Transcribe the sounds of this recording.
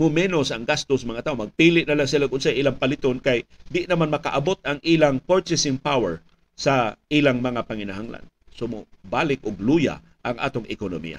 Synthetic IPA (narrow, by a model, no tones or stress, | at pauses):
mʊmɛnosɐŋɡast̪osmɐŋat̪aːʔomɐɡ̚piːlɪʔnɐlaŋsɪlaɡʊnsajʔilaŋpɐlɪt̪onkajd̪ɪʔnɐmanmɐka̰ʔabot̪ɐŋʔiːlaŋpoɹt͡ʃɛsɪŋpawɛɹ | saʔilaŋmɐŋapɐŋɪnaɦaŋla̰n | somobaːlɪk̚ʔoɡluːja̰ | ʔɐŋʔa̰ːt̪oŋɪkonomḭːja̰